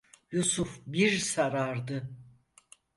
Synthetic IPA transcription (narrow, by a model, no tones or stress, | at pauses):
jusufbiɾsaɾaɾd̪ɯ